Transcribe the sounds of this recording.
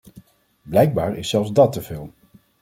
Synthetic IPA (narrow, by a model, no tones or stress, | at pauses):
blɛjɡ̚baːɹɪsːɛlˠfzdɑtəv̥ɪːlˠ